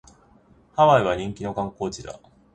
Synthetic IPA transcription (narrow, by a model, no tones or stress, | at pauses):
haβaiβaɲ̟ĩŋkʲino̞kãŋko̞ːt͡ɕid̪a̰